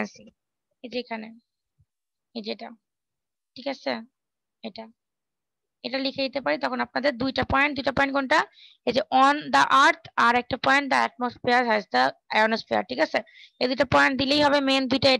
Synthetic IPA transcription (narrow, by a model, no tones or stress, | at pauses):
nsi | ed͡ʒeekʰane | ed͡ʒeʈa | ʈʰikat͡ɕʰe | eʈa | eʈalikʰed͡ʑit̪epaɾit̪ɔkʰonap̚nad̪eɾd̪ujʈapɔj̃ɳʈ̚d̪ujʈapɔ̃jɳnɡɔɳʈa | ed͡ʑeʔɔnd̪əʔaɾt̪ʰaɾɛk̚ʈapɔ̃jɳʈ̚d̪əɛ̰ʈ̚mosfeəɾɦɛzd̪əɛɡnosfeɐ̰ɾʈʰikat͡ɕʰe | ed̪ujʈapɔjɳʈ̚d̪ilejɦɔβemend̪ujʈae